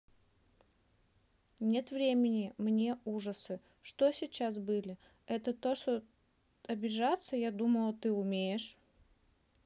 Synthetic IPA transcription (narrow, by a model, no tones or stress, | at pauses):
nʲe̞t̪vɾʲemʲɪnʲɪmnʲe̞uʐəsɨ | ʂt̪o̞sʲɪt͡ɕas̬bɨlʲɪ | ɛt̪ət̪o̞ʂt̪o | ɐbʲɪʐat̪səjad̪uməlˠət̪ɨʊmʲejɪʂ